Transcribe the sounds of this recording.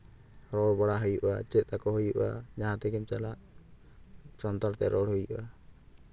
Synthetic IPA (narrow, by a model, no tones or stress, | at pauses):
ɾɔɽbaɽaɦujuʔat͡ʃɛt̪̚ˀakɔɦujuʔʔa̰d͡ʒaɦãt̪ɛkɛmt͡ʃalaʔ | sɔnt̪ɔɾt̪ɛɾɔɽhujuʔa